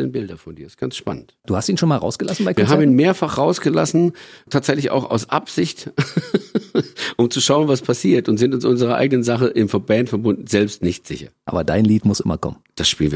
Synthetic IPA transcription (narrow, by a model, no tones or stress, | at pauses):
lənbɪldɐfɔndiːɪstɡ̥ansʃpa̰nəntd̥uːhastiːnʃoːnmaːlʁa̰ʊsɡ̥əlasn̩baɪkviːɦaːbm̩iːnmeːɐfaχʁaʊsɡ̥əlasn̩tʰaːtz̥ɛçlɪça̰ʊxa̰ʊsʔa̰pz̥ɪçt | ʔʊmt͡suʃaʊənvaspʰasiːɐtʊntz̥ɪntʊnsʔʊnzəʁɐʔa̰ɪɡənənzaχəʔɪmfɛɐbɛːntfɛɐbʊndn̩zɛlpstnɪçtz̥ɪçɐ̰ʔa̰ːbɐdaɪnliːtmʊsʔɪmɐ̰kʰɔ̰mənd̥asʃpiːlv